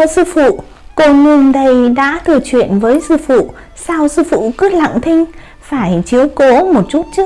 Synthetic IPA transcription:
sɨ˧fṵ˧˨ | ko˧nɨ˧ənɗə˧jɗa̰ː˧˥t̪ʰɨ˨˧˩ət͡ɕwḭ˧˨ənvəː˨˦jsɨ˧fṵ˧˨ | saː˧wsɨ˧fṵ˧˨kɨ˦˥la̰˧˨ŋt̪ʰï˧ŋ̟ | faː˧˩jt͡ɕi˨˦əwko˨˦mo˨˩t̚t͡ɕu˦˥t̚t͡ɕɨ˦˥ək̚

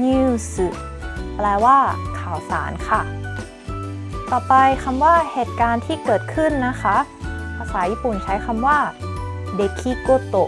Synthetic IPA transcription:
ɲɯː˧sɯ˧˩ | plɛː˦˥waː˥˩kʰaː˨˩wsaː˩˦nkʰa˥˩ | kɔ˧˩pa˧jkʰa˧mwaː˥˩heː˨˩t̪̚kaː˧nt̪ʰiː˥˩kɤː˨˩t̪̚kʰɯ˥˩˨nːa˦˥kʰa˦˥pʰaː˧saː˩˦jiː˥˩pu˨˩nt͡ɕʰa˦˥jkʰa˧mwaː˥˩ | de˨˩kʰːi˧˩ko˧˥˩t̪o˧˩

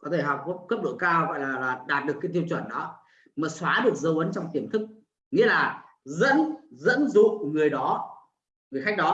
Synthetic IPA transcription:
kɔ˨˦t̪ʰe˧˩ɦɔ˨˩wk͡p̚kə˦˥p̚ɗo˧˩jkaː˧wɣɔ̰˧˨jlaː˨˩laː˨˩ɗaː˨˩t̚ɗɨ˨˩əkːaː˨˦jt̪i˧wt͡ɕwə˧˩nɗɔ˨˦ | maː˨˩swaː˨˦ɗɨ˨˩ək̚zə˨˦wʔə˨˦nt͡ɕɔ˧wŋ͡mt̪i˧˩əmt̪ʰɨ˦˥k̚ | ŋḭ˧˥əlaː˨˩ | zə̰˧˥nzə̰˧˥nzṵ˧˨ŋɨ˨˩əjɗɔ˨˦ | ŋɨ˨əjxa˦˥jk̟̚ɗɔ˨˦

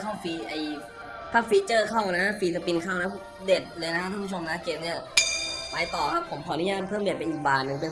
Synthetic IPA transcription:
kʰɔ˥˩ŋfiː˧ʔa˧˩j | pʰa˦˥˩fiː˧˥t͡ɕɤː˥˩kʰɔ˥˩ŋna˦˥a˥fiː˧sa˧pi˧nkʰaː˥˩wna˦˥ | de˨˩t̪̚lɤː˧jna˦˥a˥t̪ʰa˥˩pʰu˥˩o˧mna˦˥keː˧mni˥˩ɐpaː˧jt̪ɔː˨˩kʰa˦˥pʰːo˩˦mkʰɔː˨˦nu˦˥jaː˧˥˩mpʰɤː˥˩ŋde˨˩t̪̚pe˧nʔi˨˩k̚baː˨˧nːɯ˧˩pe˧˨

